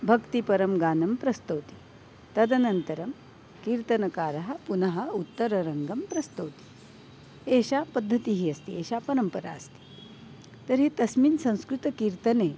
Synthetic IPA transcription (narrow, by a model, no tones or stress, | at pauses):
bʱɐkt̪ipɐɾɐmɡaːnɐmpɾɐst̪ɐwt̪i̥ | t̪ɐd̪ɐnɐnt̪ɐɾɐm | kiːɾt̪ɐnɐkaːɾɐɦɐ̆punɐɦɐ̆ut̪ːɐɾɐɾɐŋɡɐmpɾɐst̪ɐwt̪i̥ | eːɕapɐd̪ʱːɐt̪iɦiɐst̪ieːɕapɐɾɐmpɐɾa̰ɐst̪i̥ | t̪ɐɾit̪ɐsmiːnsɐ̃w̃skɾut̪ɐkiːɾt̪ɐneː